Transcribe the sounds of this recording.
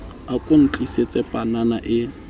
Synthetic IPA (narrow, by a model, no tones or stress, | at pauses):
akʼʊn̩t͡ɬʼiset͡sʼɛpʼananaʔɪ